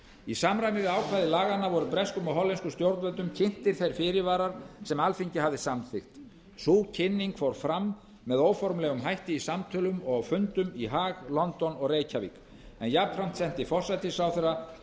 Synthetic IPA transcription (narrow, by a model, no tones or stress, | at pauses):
isamɾajnɪɾaːwkʰvaːðɪlaːɣanːavɔɾʏpɾɛskʏmɔɦɔlːɛnskʏst̪jowɾt̪vœt̪ʏmcʰɪn̥t̪ɪɾ̥θejɾ̥fɪɾɪvaːɾaɾ̥sɛmalfiɲcɪhavðɪsamθɪxt̪ | suːcʰɪnːiŋkfowɾ̥fɾamː | ɛðoːwfɔɾmlɛɣʏmɦajht̪ɪisamt̪ʰœlʏmɔɣawfʏnt̪ʏmiɦaːɣlɔnt̪ɔnɔɣreːjcʰavḭk | ɛnjap̪fɾam̥t̪sɛn̥t̪ɪfɔr̥sajt̪ɪsawθɛɾa